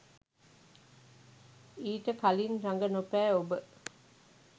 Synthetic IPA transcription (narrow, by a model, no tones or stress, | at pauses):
iːʈəkalinraŋɡənopæːobə